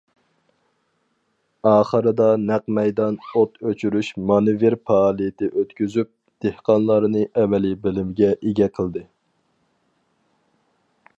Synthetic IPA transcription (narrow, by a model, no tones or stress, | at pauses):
ɑːχəɾɨd̪ɑnæqmɛjd̪ɑnot̪øt͡ʃʰyɾyʃmɑnɨveɾpʰɑːlˠijɪt̪ʰɪʔøt̪kʲyzyp̚ | d̪̥ehqɑnlˠɑɾnɨʔɛmɛlibɪlɪmɡʲɛʔeɡʲɛqʰəlˠd̪ɨ